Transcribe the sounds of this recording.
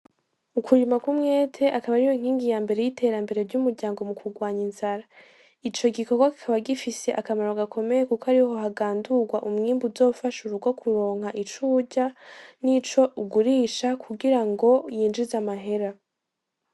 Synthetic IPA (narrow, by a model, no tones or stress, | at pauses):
ukuɾimakumŋe̞ːtʰe̞ʔakaβaɾijoiŋ̥hiːŋɡijambe̞ɾe̞jitʰe̞ːɾambe̞ɾe̞ɾɟumuɾɟaːŋɡo̞mukʰuɡwaːɲinzaɾa | it͡ʃo̞ɡiko̞ɡwaki̥kʰaβaɡifise̞ʔakamaɾoɡakʰo̞me̞jekukoaɾiɦo̞ɦaɡaːnduɡwaʔumŋiːmbuzo̞ːfaʃuɾuɡwokʰuɾo̞ːŋhɦaʔit͡ʃuːɟanit͡ʃo̞uɡuɾiːʃakʰuɡiɾaŋɡo̞jiːnd͡ʒizamaɦe̞ɾa